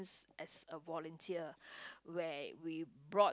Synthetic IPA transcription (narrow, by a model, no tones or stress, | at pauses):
nsʔɛsəvɔlə̃ntʰiəwɛwibɹɔ